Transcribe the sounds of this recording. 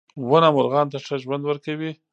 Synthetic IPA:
wənamʊɾɣɑnt̪aʂaʒwand̪wəɾkawi

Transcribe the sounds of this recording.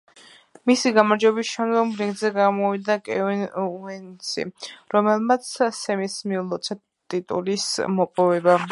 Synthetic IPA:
misiɡamaɾd͡ʒɛbisʃɛnɡɔmɾiɡ̪zɛɡamɔvid̪akʼɛuɛnsʰḭɾɔmɛlˠmat̪sʰːɛmismiulˠɔt̪sʰɛ | t̪ʼit̪ʼṵlismɔpʼɔvɛba

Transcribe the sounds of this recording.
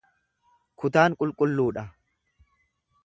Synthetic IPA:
kʰʊt̪aːŋkʼʊlkʼʊlːuːᶑɐ

